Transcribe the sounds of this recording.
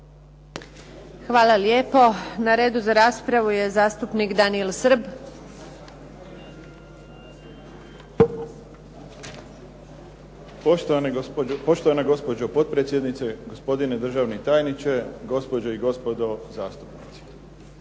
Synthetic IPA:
xʋaːlaljeːpo̞naɾe̞ːd̪uzaɾaːspɾaʋuje̞zaːst̪upnikd̪anielsɾ̩b | pt̪npo̞ʃt̪oanaɡo̞spod͡ʒopo̞t̪̚pɾeːt̪sjed̪nit̪seɡospo̞d̪ined̪r̩ʒaʋnit̪aːjnit͡ʃeɡo̞spod͡ʑoiɡo̞spod̪ozaːst̪upnit̪si̥

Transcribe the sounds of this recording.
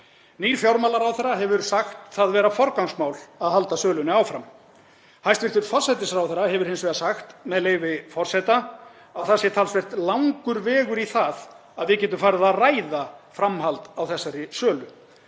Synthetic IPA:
niːɾ̥fjawɾmalaɾawθɛrːaɦɛvʏɾ̥saxt̪θaðvɛːɾafɔɾkawŋsmaːwlaðhalt̪asœːlʏnɪaːwfɾam | hajst̪vɪɾ̥t̪ʏɾfɔr̥sɛt̪ɪsɾawθɛɾːaɦɛvʏɾhɪnsvɛːɣasaxt̪mɛðleːjvɪfɔr̥sɛt̪a | awθasjɛɾt̪ʰalsvɛr̥t̪lawŋkʏɾvɛːɣʏɾiθað | aðvɪcɛːt̪ʏmfaːɾɪðaraːjðafɾamhalt̪awθɛsːaɾɪsœːlʏ

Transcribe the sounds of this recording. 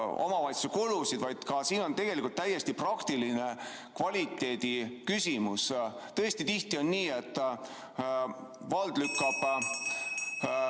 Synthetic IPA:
o̞̰mɑvɑjt̪sekolusid̪vɑjd̪̥kɑsiːno̞nt̪e̞ɡ̥e̞likult̪ːæjːe̞st̪iprɑkt̪iline̞ | kvɑlʲit̪ːˑe̞ːd̪̥ikysʲimus | t̪ɤesʲt̪it̪iht̪io̞nːiːe̞t̪ːˑ | vɑld̪̥lykːɑb̥

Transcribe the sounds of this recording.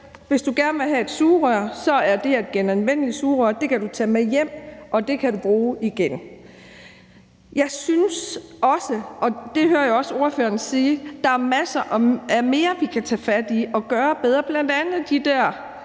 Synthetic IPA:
ʋe̝sd̥uɡ̥æɐnəʋe̝ɦæe̝d̥suːʁœɐsɒ̽æɐd̥e̝æd̥̚ɡ̥enænʋen̰əlisuːʁœɐd̥e̝kʰæd̥ut͡sʰɛmejem̰ʔɒ̽d̥e̝kʰæd̥ub̥ʁuːiɡ̥en | jɑ̈ɪsynsɒ̽səʔɒ̽d̥e̝høːɐjoɒ̽so̝ɐføːɐnsiːd̥ɑ̈æɐmæsɐʔɒ̽æɐme̝ːɐʋikʰæt͡sʰɛfæd̥iɒ̽ɡ̥ɶːɐb̥eð̞ˠʁɐːb̥læn̰d̥ænð̩ˠd̥id̥æɐ̰

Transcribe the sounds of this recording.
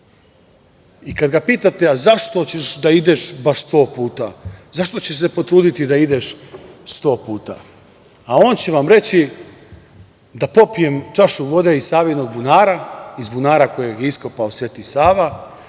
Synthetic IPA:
ikad̪ɡapiːt̪at̪e̞azaʃt̪o̞t͡ɕe̞ʃd̪aid̪e̞ʃbaʃst̪o̞ːpuːt̪azaʃt̪o̞t͡ɕe̞ʃse̞po̞t̪ɾuːd̪it̪id̪aid̪e̞ʃst̪o̞ːpuːt̪a̰ː | o̞ːnt͡ɕeʋamɾe̞t͡ɕi | d̪apo̞pije̞mt͡ʃaʃuʋo̞d̪e̞izsaːʋino̞ɡbunaːɾaizbunaːɾakojeɡjeiskopaosʋe̞ːt̪isaːʋa

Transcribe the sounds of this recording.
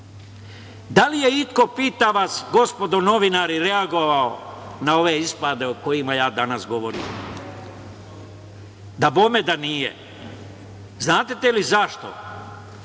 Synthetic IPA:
d̪alije̞it̪ko̞piːt̪aʋasɡo̞spo̞d̪ono̞ʋinaːɾiɾeaɡo̞ʋaonao̞ʋe̞ispad̪e̞oko̞jimajaːd̪anasɡo̞ʋo̞ɾḭːm | d̪abomed̪anijḛ | znaːt̪et̪elizaʃt̪o̞̰

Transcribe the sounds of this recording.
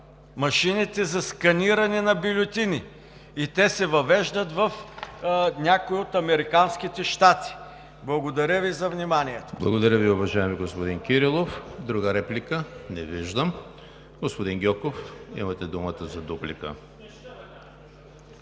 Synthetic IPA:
mɐʃinit̪ɛzɐskɐniɾɐnɛnɐbilʲot̪ini | it̪ɛsɛvɐvɛʒd̪ət̪vɐf | nʲakoiot̪ɐmɛɾikansk̟it̪ɛʃt̪at̪i̥ | blˠɐɡod̪ɐɾʲəvizɐvnimaniɛt̪o̥blˠɐɡod̪ɐɾʲəviʊvɐʒaɛmiɡospod̪inkʲiɾilˠofd̪ɾuɡəɾɛplʲikənɛviʒd̪əm | ɡospod̪inɡʲɔkofḭmɐt̪ɛd̪umət̪əzɐd̪uplḭkə̰

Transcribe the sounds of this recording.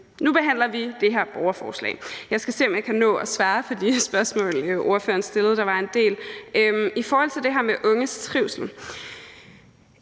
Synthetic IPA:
nub̥e̝ɦæn̰lɐʋid̥e̝ɦæɐb̥ɒʊɐfɒ̰ːslɛ̰ːɪjɑ̈ɪsɡ̥æse̝̰ːɒ̽mjɑ̈ɪkʰænɔ̰̽ːɒ̽sʋɑ̈ːpʰɒ̽d̥isb̥ɶɐsmɔ̰̽ːlʔo̝ɐfø̰ːɐnsd̥e̝lð̞̩ˠd̥ɑ̈ʋɑ̈e̝nd̥e̝̰ːløifɒːhɒ̽l̰t͡sʰe̝ld̥eɦæɐ̰meʔɔ̽ŋəst͡sʰʁiʊsl̩

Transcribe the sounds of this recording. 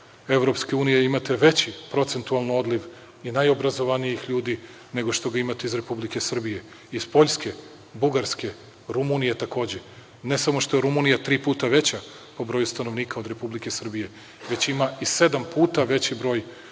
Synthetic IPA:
eʋɾo̞pskeuːnijeimat̪e̞ʋe̞t͡ɕipɾo̞t̪se̞nt̪ualˠno̞d̪liʋ | inajo̞bɾazo̞ʋanijixʎuːd̪i | ne̞ɡo̞ʃt̪o̞ɡaimat̪eizɾe̞publike̞sr̩bije̞ | iz̥po̞ʎʲske̞ | buɡaɾske̞ | ɾumunijet̪ako̞ːd͡ʑe | nesamo̞ʃt̪ojeɾumunijat̪ɾiːpuːt̪aʋe̞t͡ɕa | po̞bɾojust̪anoʋniːkao̞d̪ɾe̞publike̞sr̩bije̞ | ʋe̞t͡ɕimaise̞d̪ampʰuːt̪aʋe̞t͡ɕibɾo̞ːj

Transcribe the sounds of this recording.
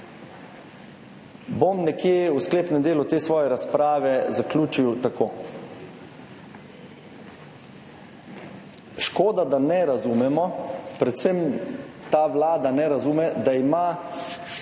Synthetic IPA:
bomnɛkjeːuskleːpnɛmd̪eːlut̪eːsʋɔːjɛɾaspɾaːʋɛzaklʲuːt͡ʃiwt̪akʰoː | ʃkoːd̪ad̪anɛɾazuːmɛmɔpɾɛt̪sɛm | t̪aːʋlaːd̪anɛɾazuːmɛd̪aima

